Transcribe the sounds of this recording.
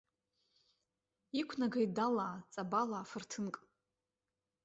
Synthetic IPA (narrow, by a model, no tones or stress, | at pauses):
ikʷʰnaɡajdalaːt͡sʼabalaːfɨrtʰɨnkʼ